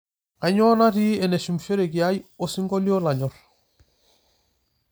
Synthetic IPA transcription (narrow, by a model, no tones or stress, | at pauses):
aɲoːnatiienesumfeɾekjajosiŋɡoliolaɲoɾ